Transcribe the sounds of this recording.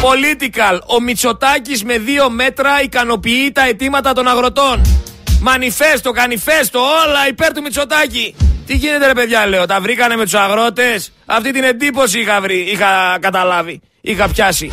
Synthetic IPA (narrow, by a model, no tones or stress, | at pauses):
po̞lit̪ikɐlo̞mit͡so̞t̪ɐcizme̞ðio̞me̞t̪ɾɐikɐno̞piit̪ɐe̞t̪imɐt̪ɐt̪o̞nɐɣɾo̞t̪o̞nmɐnife̞st̪o̞kɐnife̞st̪o̞olɐipe̞ɾt̪umit͡so̞t̪ɐcit̪iʝinet̪e̞ɾe̞pe̞ðʝɐle̞o̞t̪ɐvɾikɐne̞me̞t̪usɐɣɾo̞t̪e̞s | ɐ̰ft̪it̪ine̞nd̪ipo̞s̬iixɐvɾiixɐkɐt̪ɐlɐvi | ixɐpçɐsi